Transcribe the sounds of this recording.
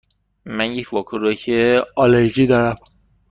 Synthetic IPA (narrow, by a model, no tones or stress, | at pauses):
mænjecʰvɒkʰuɾocʰeɒleɾd͡ʒiːd̪ɒːɾæm